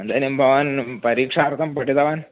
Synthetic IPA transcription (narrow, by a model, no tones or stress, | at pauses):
ɐnd̪ɐnimbʱɐʋaːnpɐɾiːkʂaːrt̪ʰɐmpɐɽit̪ɐʋaːn